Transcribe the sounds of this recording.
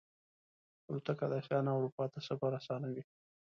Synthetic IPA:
uut̪akad̪asjɑnawɾupɑt̪asabaɾasɑnawi

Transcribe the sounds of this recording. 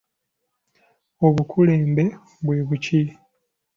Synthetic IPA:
o̞βukʰuleːmbe̞ | βwe̞ːβuci

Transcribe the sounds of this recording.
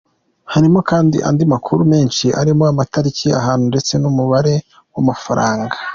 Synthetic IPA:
haɾimo̞kaːndḭʔa̰ndimakʰuɾumeːnʃiʔa̰ɾimoamataɾicia̰ɦaːnhunde̞t͡se̞numuβaɾe̞ | wamafaɾaːŋɡa

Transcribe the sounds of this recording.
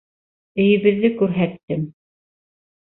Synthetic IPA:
ɘ̆jɘ̆βɘ̆ðːɘkʉɾɦæt̪ːɘm

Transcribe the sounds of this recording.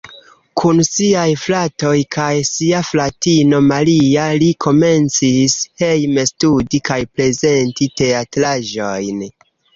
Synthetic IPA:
kʰunsiajflato̞jkʰajsiaflatino̞malialikʰo̞me̞nt͡sishejme̞studikajpɾe̞ze̞ntite̞atɾaʒo̞jn

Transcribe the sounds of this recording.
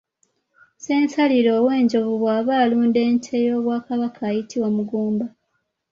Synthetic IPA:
se̞ːnsaliɾo̞ːwe̞ːɲɟo̞βuβwaːβaːluːnde̞ːntʰejo̞ːβwaːkaβakʰaːjitʰiwamuɡuːmba

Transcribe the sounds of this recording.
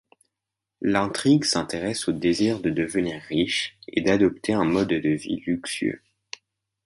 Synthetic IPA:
lɛ̃t̪χiɡsɛ̃t̪eʁɛsod̪eziʁd̪əd̪əvəniʁːiʃḛd̪ad̪ɔp̚t̪ʰeɛ̃mɔd̪ːəvḭlyksɥø̰

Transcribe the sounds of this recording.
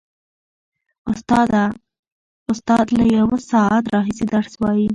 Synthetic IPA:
ʊst̪ɑd̪a | ʊst̪ɑd̪lajawasɑat̪ɾɑɦisid̪aɾswɑji

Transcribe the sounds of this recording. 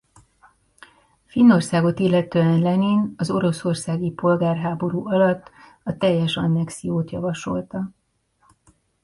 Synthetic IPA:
finːo̞rsaːɡo̞t̪ilːɛt̪øːɛnlɛniːnɒzo̞ɾo̞so̞rsaːɡipo̞lɡaːrɦaːbo̞ɾuːʔɒlɒt̪ː | ɒt̪ɛjːɛʃɒnːɛksijoːt̪jɒ̰vɒʃo̞lt̪ɒ

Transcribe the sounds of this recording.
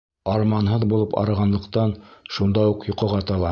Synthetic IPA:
ɑɾmɑnɦɤðbulˠɤpɑ̰ɾɤ̆ʁɑnlˠɤ̆qt̪ɑnʃund̪ɑuqjŏqɤ̆ʁɑt̪ɑlˠɑ

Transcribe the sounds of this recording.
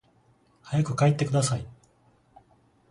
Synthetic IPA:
hajakɯ̟kaet̪ːe̞kɯd̪asai

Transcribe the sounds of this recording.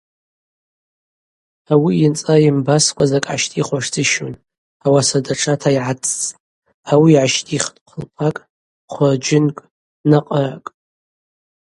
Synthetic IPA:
awiint͡sʼaimbaskʷʰʼazakʼʕa̰ʃtʼiχʷaʂt͡sɨʃun | awasadaʈ͡ʂʰatʰaiʕat͡sʰʼt͡sʼ | awiːʕaʃtʼiχtʼqʷʰəlpʰakʼ | χʷərd͡ʒɪnkʼ | naqʼərakʼ

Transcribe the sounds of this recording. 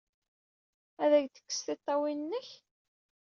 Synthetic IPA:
æðæɡt̪ə̥kːə̥sθɪt̪ˤːɑwinnːəç

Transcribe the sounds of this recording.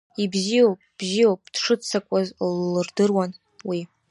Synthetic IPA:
ibzijowpʼb̥zijowpʼd̥ʂɨt͡sʰakʷʼazlːɨrdɨrwan | wi

